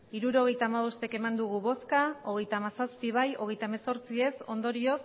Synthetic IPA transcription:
iɾuɾo̞ɣ̞e̞jt̪aːmaβ̞o̞st̪e̞ke̞mand̪uɣ̞uβo̞skao̞ɣe̞jt̪aːmasaspiβ̞ajo̞ɣe̞jt̪aemeso̞ɾt͡sie̞so̞nd̪o̞ɾio̞s

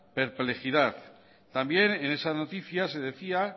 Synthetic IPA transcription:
pe̞ɾple̞xiðaθ | t̪ambje̞ne̞ne̞sano̞t̪iθjase̞ðe̞θia

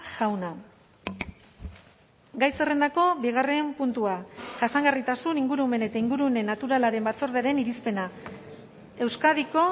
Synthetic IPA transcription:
ʝawna | ɡajse̞re̞nd̪ako̞βiɣ̞are̞mpunt̪uaʝasaŋɡarit̪asuniŋɡuɾume̞ne̞t̪aiŋɡuɾune̞nːat̪uɾalaɾe̞mbat͡so̞ɾðe̞aɾe̞niɾispe̞na | e̞wskaðiko̞

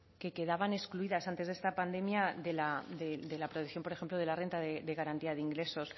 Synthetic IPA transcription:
ke̞ke̞ðaβane̞skluiðasant̪e̞zðe̞st̪apand̪e̞mjaðe̞lad̪ed̪e̞lapɾot̪eθjo̞mpo̞ɾe̞xemplo̞ðe̞lare̞nt̪aðed̪e̞ɣaɾant̪iaðeiŋɡɾe̞so̞s

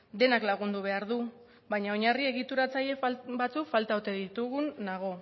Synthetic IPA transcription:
d̪e̞naklaɣ̞und̪uβ̞e̞aɾðu | bajɲao̞ɲarie̞ɣit̪uɾat͡saʎe̞bat͡sukfalt̪aot̪e̞ðit̪uɣunːaɣ̞o̞

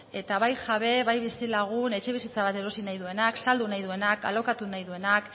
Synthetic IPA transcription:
e̞t̪aβajʝaβe̞βajβisilaɣ̞une̞t͡ʃe̞β̞isit͡saβat̪e̞ɾo̞sinajðue̞naksald̪unajðue̞naka̰lo̞kat̪unajðue̞nak

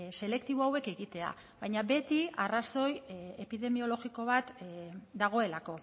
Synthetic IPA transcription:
se̞le̞kt̪iβ̞oawe̞ke̞ɣit̪e̞a̰ | βajɲabe̞t̪iaraso̞je̞piðe̞mio̞lo̞ɣiko̞β̞at̪d̪aɣ̞o̞e̞lako̞

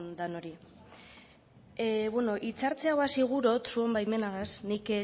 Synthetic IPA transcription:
nd̪ano̞ɾi | eβweno̞ʔit͡saɾt͡seawasiɣ̞uɾo̞t̪suombajme̞naðasnik

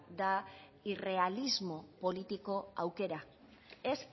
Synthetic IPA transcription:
d̪a | ire̞alizmo̞po̞lit̪iko̞a̰wke̞ɾa | es

